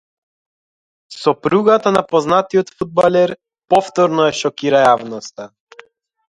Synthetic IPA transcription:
sɔpɾuɡat̪anapɔznat̪iɔt̪fud̪̚balʲɛɾ | pɔft̪ɔɾnɔjaʃɔkiɾajavnɔst̪a

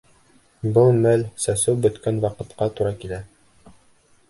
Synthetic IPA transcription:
bɤlˠmælsæsɘwbɵ̆t̪kænwɑqɤ̆t̪qɑt̪uɾɑkilæ

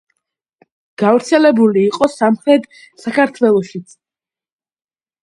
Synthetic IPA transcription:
ɡ̥avɾt̪sʰɛlɛbuliːqʼɔsamχɾɛd̪ | sakʰaɾt̪ʰwɛlˠɔʃit̪sʰ

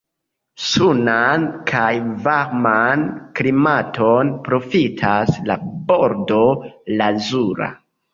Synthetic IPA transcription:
sunankʰajvaɾmanklimatʰo̞npɾo̞fitʰasla̰bo̞ɾdo̞lazuɾa̰

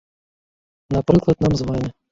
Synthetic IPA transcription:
napɾɨklˠɐd̪namzʋanʲɐ

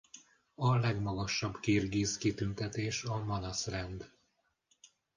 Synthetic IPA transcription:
ɒlɛɡmɒɡɒʃːɒbkiːrɡiːskit̪ynt̪ɛt̪eːʃɒmɒnɒsrɛnd̪

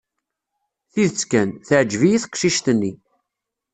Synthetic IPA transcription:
θiðt͡skænθəʕd͡ʒvijiθə̥qʃiʃt̪ənːi

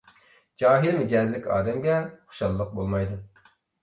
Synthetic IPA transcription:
d͡ʒɑːɦilmɪd͡ʒʲɛzlɪkʲɑ̰ːd̪ɛmɡʲɛχʊ̥ʃɑlˠːəq̚bolˠmɑjd̪u

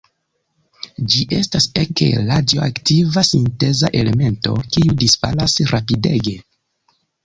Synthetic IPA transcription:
d͡ʒiʔe̞staseke̞̰ladjoa̰ktivasinte̞zaʔe̞le̞me̞nto̞̰kiudisfa̰lasɾapide̞ɡe̞

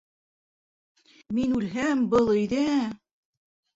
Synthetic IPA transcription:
minʉlɦæmbɤlˠɵ̆jðæ

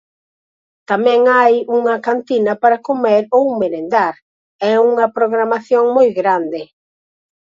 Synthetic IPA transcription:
t̪amɛ̃ŋajuŋɐkant̪inɐpaɾakomɛɾowmeɾend̪aɾ | ɛuŋɐpɾoɣɾamaθjoŋmojɣɾand̪ɪ

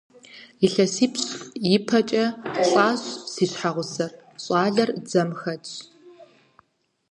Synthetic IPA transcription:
jɪɬɐsiːpɕjɪpʰɐt͡ʃʼɐɕʼaːɕsiːɕħaʁʷʊsɐrɕʼɑːɮɐrd͡zɐmxɐt͡ʃʼ

